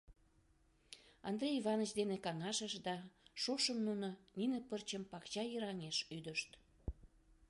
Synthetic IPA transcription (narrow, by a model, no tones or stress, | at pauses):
ɑnd̪rʲejivɑnət͡ɕd̪enekɑŋɑʃəʃd̪ɑʃoʃəmnunoninəpərt͡ɕəmpɑkt͡ɕɑjəɾɑŋeʃyd̪əʃt̪